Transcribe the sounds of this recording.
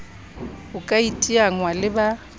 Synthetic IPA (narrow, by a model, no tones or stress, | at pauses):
ʊkʼaitʼiaŋwalɪba